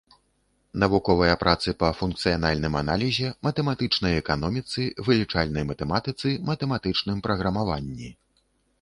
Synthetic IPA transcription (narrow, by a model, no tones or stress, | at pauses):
nɐvukɔvɐjɐpɾʔat̪sɨpɐfunk̚t̪sɨjanalʲnɨmana̰lʲizʲɛmɐt̪ɛmat̪ɨt͡ʂnɐjɛkanɔmʲit̪sɨvɨlʲit͡ʂalʲnɐjmɐt̪ɛmat̪ɨt̪sɨmɐt̪ɛmat̪ɨt͡ʂnɨmpɾɐɣɾɐmavanʲːi